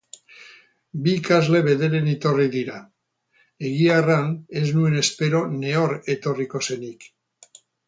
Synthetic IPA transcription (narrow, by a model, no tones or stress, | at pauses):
bikazle̞βe̞ðe̞ɾe̞nit̪o̞riðiɾa | e̞ɣiarane̞znue̞ne̞spe̞ɾo̞ne̞o̞ɾe̞t̪o̞riko̞se̞nik